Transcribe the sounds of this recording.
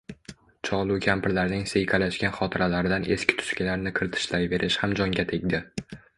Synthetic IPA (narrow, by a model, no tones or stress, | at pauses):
t͡ʃʰɒlˠʊkʲʰampʰɪɾlaɾnɪŋsejkʲʰalaʃkʲanχɒt̪ʰɪɾʔalaɾɪd̪anʔe̞skʲɪ̥t̪ʰʊ̥ʃkʲɪlaɾnɪkʰɪɾt̪ʰɪ̥ʃlajbe̞ɾʔɪʃhamd͡ʒɒŋɡʲat̪ʰe̞ɡʲd̪ɪ